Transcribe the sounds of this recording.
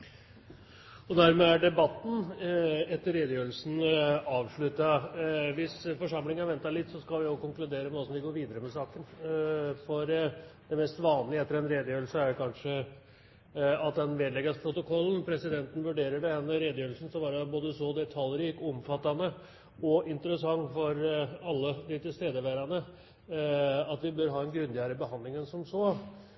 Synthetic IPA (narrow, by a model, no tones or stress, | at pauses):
ɔd̪æɾmeːæɖɛbɑt̪ːn̩ | ɛt̪ːəɾeːd̪əjøːɾlsn̩ɑːʋʂɭʉt̪ːɑʋɪsfɔʂɑmlɪŋənɑʋɛnt̪ːɑlɪt̪ːsɔskɑlʋɪjʊkʊŋklʉd̪eːɾənoːəsɔmʋɪɡoːɾʋiːd̪əɾəmɛsɑːkən | fɔɾd̪̥ɛmɛst̪ʋɑːnlɪɛt̪ːəɾɛnɾeːd̪əjøːɾl̩səæɾjʊkʰɑnʂə | ɑt̪̚d̪ɛnʋeːd̪lɛɡɑspʰɾʊt̪ʊkʰɔlːn̩pʰɾɛsɪd̪ɛnt̪ən̩ʋʉɖeːɾəɖɛhɛnːəɾeːd̪əjøːlsn̩sɔbɑːɾəboːd̪əsɔːd̪ɛt̪ʰɑlɾiːkɔmfɑt̪ːɑnə | ɔɪnt̪əɾəsɑŋːfɔɾɑlːəd̪ɪt̪ɪlst̪eːd̪əʋæɾɑnə | ɑt̪ʋɪbœɾɦɑːɛnɡɾʉnd̪ɪæːɾəbəɦɑnd̪lɪŋənsɔmsoː